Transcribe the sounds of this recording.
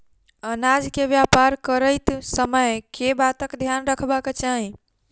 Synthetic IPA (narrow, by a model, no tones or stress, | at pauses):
ənad͡ʒkebjapaɾkəɾəɪt̪səməjkebat̪əkd̪ʱjanɾəkʰbaket͡ʃaɦĩ